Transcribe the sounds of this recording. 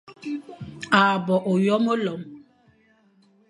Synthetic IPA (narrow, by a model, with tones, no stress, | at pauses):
a˨bɔ˨ʔo˨jɔ˦mo˦lɔ˨˦m